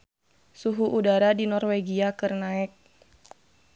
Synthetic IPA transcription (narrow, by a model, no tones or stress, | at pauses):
suɦuʔudaɾadinɔrweɡiakɨrnaɛk̚